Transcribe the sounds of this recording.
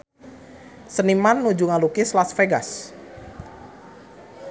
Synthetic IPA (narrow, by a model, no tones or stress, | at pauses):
sənimanːud͡ʒuŋalukɪslasfeɡa̰s